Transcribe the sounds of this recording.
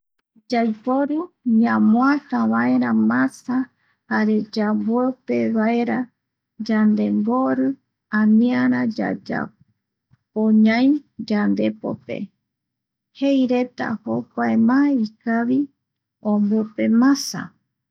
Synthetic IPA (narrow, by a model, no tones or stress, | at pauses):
d͡ʒajpoɾɨɲãmõat̪aβae̞ɾamãsa | haɾe̞d͡ʒabuepeβaeɾa | d͡ʒand̪e̞mɡoɾɨ | ãmĩaɾ̃ãd͡ʒa̰d͡ʒa̰ | poɲãjd͡ʒand̪e̞po̰pḛ | hejɾe̞t̪a̰hokaemãeikaβi | õmbope̞mãsa̰